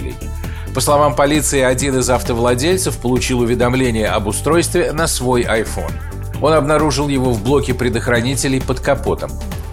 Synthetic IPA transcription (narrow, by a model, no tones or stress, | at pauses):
lʲɪ̰j | pəslˠɐvampɐlʲit̪sɨɪɐdʲinɨzɐft̪əvlˠɐdʲelʲt̪səfpəlˠʊt͡ɕilˠʊvʲɪd̪ɐmlʲenʲɪjəɐbʊst̪ɾo̞jst̪vʲɪnɐsvo̞jɐjfo̞̰n | o̞nɐbnɐɾuʐɨlˠjɪvo̞vblˠo̞kʲɪpɾʲɪd̪əxɾɐnʲitʲɪlʲɪjpət̪kɐpo̞t̪əm